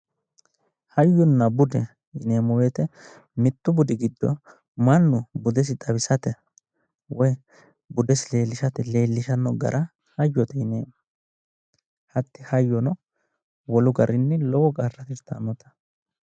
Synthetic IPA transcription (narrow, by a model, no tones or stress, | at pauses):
hɐjːʊnːɐbʊd̪ɛ | ɪne̞ːmʊweːt̪ɛ | mɪt̪ːʊbʊd̪ɪɡɪd̪ːɔ̰ | mɐnːʊbʊd̪ɛs̬ɪt̪ɐbɪsɐt̪ɛ | wʔɔj | bʊd̪ɛsɪle̞ːlːɪʃɐt̪ɛle̞ːlːɪʃɐnːɔɡɐ̰ɾʔɐ | hɐjːɔt̪ɛɪneːmɐ | hɐt̪ːɪhɐjːɔnɔ | wɔlʊɡɐɾɪnːɛlɔwɔɡʼɐrːɐt̪ɪst̪ɐ̰nɔt̪ɐ̥